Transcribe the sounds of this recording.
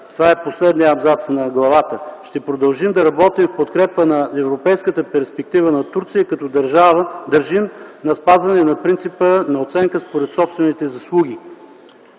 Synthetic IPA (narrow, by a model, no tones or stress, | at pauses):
t̪ovaɛposlɛd̪niəɐbzat̪snɐɡlˠɐvat̪əʃt̪ɛpɾod̪ɐlˠʒimd̪ɐɾɐbɔt̪imfpot̪kɾɛpənɐɛvɾopɛjskət̪əpɛɾspɛk̚t̪ivənɐt̪uɾt̪sijəkɐt̪ɔd̪ɐɾʒavəd̪əɾʒimnɐspazvɐnɛnɐpɾint̪sipənɐot̪sɛŋkəspoɾɛt̪sɔpst̪vɛnit̪ɛzɐslˠuɡ̟i